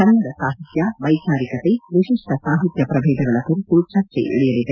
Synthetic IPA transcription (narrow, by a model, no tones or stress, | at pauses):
ɐnɐŋd̪ɐsaːɦit̪jaʋɐjkaːɾikɐt̪eʋiʂiʂʈɐsaːɦit̪jɐpɾɐʋeːd̪ɐɡɐɭɐkuɾpuɾut͡ʃat͡ʃḛʔḭɽijɐlid̪ɐ